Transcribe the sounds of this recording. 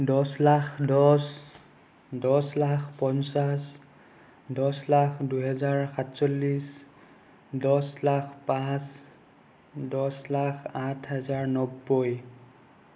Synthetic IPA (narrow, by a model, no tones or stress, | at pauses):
dɔslaxdɔs | dɔslakʰpɔnsas | dɔslaxʰduɦɛzaɹxatsɔlːis | dɔslakʰpas | dɔslakʰatʰɦɛzaɹnɔbːɔj